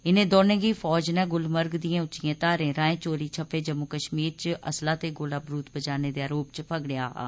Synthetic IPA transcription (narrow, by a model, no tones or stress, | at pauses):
ɪnẽːd̪oːnẽːɡiːpʰɔːd͡ʒnɛ̃ːɡʊlməɾɡd̪ijãːʊtːʃijãːt̪aːɾẽːɾãːẽːt͡ʃoːɾiːt͡ʃʰəpːeːd͡ʒəmukəʃmiːɾt͡ʃəəslaːt̪eːɡoːlaːbɾuːt̪bəd͡ʒaːneːd̪eːaːɾoːpt͡ʃəpʰəɡɽɪjaːa̰ː